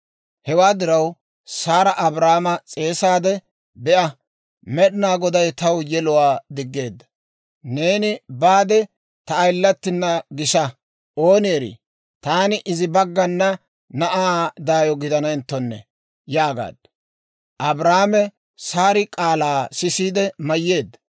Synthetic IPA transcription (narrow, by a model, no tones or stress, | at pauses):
hɛwaːd̪ɪɾɐw | saːɾɐʔɐbɾaːmɐt͡sʼe̞ːsaːd̪ɛ | bɛʔɐ | mɛɗɪnaːɡɔd̪ɐjt̪ɐwjɛlʊwaːd̪ɪɡːe̞ːd̪ːɐ̥ | ne̞ːnɪbaːd̪ɛ | t̪ɐːjlːɐt̪ːɪnːɐɡɪʃɐ | ʔo̞ːneːɾḭ | t̪aːnɪʔɪzɪbɐɡːɐnːɐ | nɐʔaːd̪aːjɔɡɪd̪ɐnɐɪnt̪ːɔnːɛ̰ | jaːɡa̰ːd̪̥ɐ | ʔɐbɾaːmɛ | saːɾɪkʼaːlaːsɪsiːd̪ɛmɐjːe̞ːd̪ːɐ̥